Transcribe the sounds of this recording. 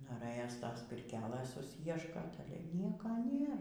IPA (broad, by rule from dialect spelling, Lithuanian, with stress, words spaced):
noːˈrɘjoːs ˈtoːs pʲɪrʲˈkʲæːlˠɘs sʊˈsʲiɛʃkoːt ˈnʲiɛkɐ ˈnʲeːr